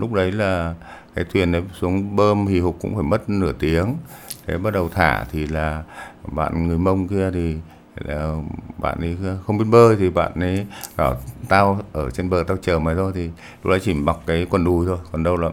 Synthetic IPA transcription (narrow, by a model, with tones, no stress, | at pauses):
lʊ˦˥k͡p̚ɗə˨˦jlaː˨˩kaː˨˦jt̪ʰwi˨˩ənʔə˨˦jsu˨˦əŋɓəː˧mhi˨˩hʊ˨˩k͡p̚kʊ̰˧˥ŋ͡mfaː˧˩jmə˦˥t̚nɨ˧˩ət̪i˨˦əŋt̪ʰe˨˦ɓa˦˥t̚ɗə˨˩wt̪ʰa̰ː˧˩t̪ʰi˨˩laː˨˩ɓa̰ː˧˨nŋɨ˨˩əjmə˧wŋ͡mki˧ət̪ʰi˨˩ | laː˨˩ɓa̰ː˧˨nʔə˨˦jxə˧wŋ͡mɓi˧nɓəː˧jt̪ʰi˨˩ɓa̰ː˧˨nʔə˨˦jzɔ˧˩t̪aː˧wʔəː˧˩t͡ɕe˧nɓəː˨˩t̪aː˧wt͡ɕəː˨˩maː˨˩t̪ʰo˧jt̪ʰi˨˩ | lʊ˥k͡p̚ɗə˨˦jt͡ɕi˧˩ɓa˨˩k͡p̚kaː˨˦jkwə˨˩nɗu˨˩jt̪ʰo˧jkwə˨˩nɗə˧wlaː˨˩˨